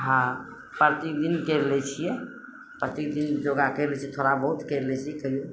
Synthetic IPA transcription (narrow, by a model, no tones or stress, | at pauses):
ɦã | pɾət̪ikd̪inkɛɾlɛt͡ʃʰijɛ | pɾət̪ik̚d̪ind͡ʒoɡakəɾlɛt͡ʃʰiɛt̪ʰoɾabəɦut̪kəɾlɛt͡ʃʰiɛkəɦjo